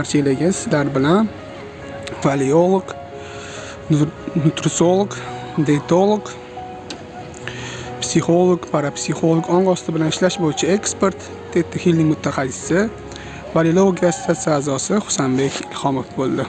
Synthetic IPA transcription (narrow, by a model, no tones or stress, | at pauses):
aɾt͡ʃʰelɪɡʲasɪzlaɾbɪlan | valeolˠoɡ | nʊt̪ɾʊsolˠokd̪et̪ʰolˠok | psiχo̞lˠoɡpʰaɾapsiχolˠoɡɒɴʁɒst̪ʰɪbɪlanɪʃlaʃbojɪt͡ʃʰae̞kspe̞ɾt̪ | d̪et̪ʰːɪhilnɪŋmʊt̪ʰaχasɪ̥sɪ | valelˠooɡʲast̪ʰat̪saaːzɒsɪχʊ̥sambe̞kʲɪlhɒmofbolˠd̪ɪ